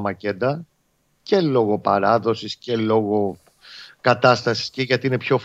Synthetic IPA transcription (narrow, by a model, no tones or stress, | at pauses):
mɐce̞d̪ɐ | ce̞lo̞ɣo̞pɐɾɐðo̞sisce̞lo̞ɣo̞ | kɐt̪ɐst̪ɐsi̥sceʝɐt̪ine̞pço̞f